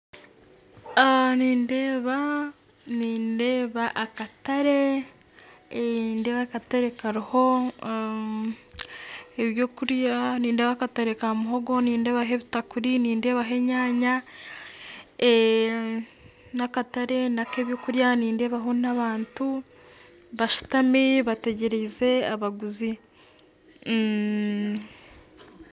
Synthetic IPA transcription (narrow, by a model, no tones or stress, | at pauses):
aniːndeːβa | niːndeːβaʔakataɾe̞ | nde̞ːβakataɾe̞kaɾiho̞ | eβjoːkuɾjaniːnde̞ːβakataɾe̞kamuɦo̞ɡo̞niːnde̞ːβaɦeβitakuɾiniːnde̞ːβaɦe̞ɲaːɲa | e | nakataɾe̞nake̞ːβjo̞kuɾjaniːnde̞ːβaɦo̞naβaːntu | βaʃu̥tamiβate̞ɟe̞ɾeze̞aβaɡuzi | m̩